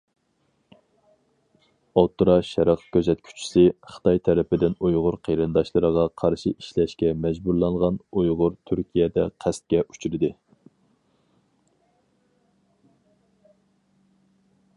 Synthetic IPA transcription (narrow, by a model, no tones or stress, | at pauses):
ɑt̪ːɾɑʃɛɾɑqkʲʰøzɛt̪̚kʲʰy̥t͡ʃʰi̥sɪχə̥t̪ʰɑjt̪ʰɛɾɪpɪd̪ɪnujʁʊɾqʰeɾɨnd̪ɑʃlˠɨɾəʁɑqʰɑɾʃiiʃlɛʃkʲɛmɛd͡ʒbuɾlˠɑɴʁɑnujʁʊɾt̪ʰyɾkʲʰijɛd̪ɛ̰qʰæst̪̚kʲɛʔyt͡ʃʰyɾɪd̪ɨ